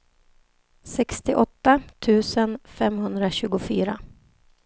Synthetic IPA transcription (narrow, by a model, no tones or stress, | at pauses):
sɛkst̪ɪʔɔt̪ːat̪ʰʉ̟ːsənfɛmhɵnd̪ɾaɕʉ̟ːɡʊfyːɾa